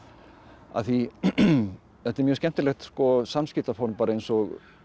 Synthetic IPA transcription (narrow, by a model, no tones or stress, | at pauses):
a̰θi | θɛt̪ɛɾmjœːɾscɛm̥t̪ɪlɛxt̪skɔsamːscɪt̪afɔɾmpaːɾaejnsɔɣ